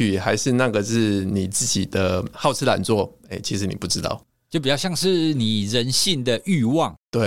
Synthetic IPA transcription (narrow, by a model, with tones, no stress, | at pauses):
y˨˩xa˧˥ɪʂɻ̩˥˧na˥˧ɡə˨˩ʂɻ̩˥˩ni˨˩t͡sɹ̩˥˩t͡ɕi˨˩d̪ə˦xɑ˥˧ʊt͡sʰɹ̩˥la̰˨˩nt͡swɔ˥˨e˥˩ɪt͡ɕʰi˧˥ʂɻ̩˧˥nḭ˨˩pu˥˩ʈ͡ʂɻ̩˧˥t̪ɑ̰˥˩ʊ | t͡ɕt͡ɕo˥˩p̬i˨˩jjɑ˥˧ŋʂɻ̩˥˩ni˨˩ɻə˧˦nɕi˥˩ŋd̪ə˨ʔy˥˧wɑ˥˩ŋt̪we˥˩